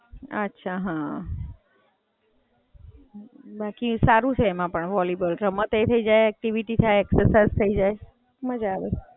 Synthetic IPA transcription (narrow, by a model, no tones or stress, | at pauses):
ə̰tːʃʰaɦã | bakisaɾũt͡ʃʰeːmãpəɳʋɔljubəlɾəmət̪et̪ʰəid͡ʒajɛk̚ʈiʋiʈit̪ʰaeɛksəɾsazt̪ʰəid͡ʒaj | məd͡ʒaaʋe